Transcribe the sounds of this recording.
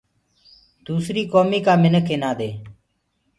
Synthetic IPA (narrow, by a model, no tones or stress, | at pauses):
d̪̥uːsɾiːkoːmiːkaːmɪnəkʰɪnaːd̪eː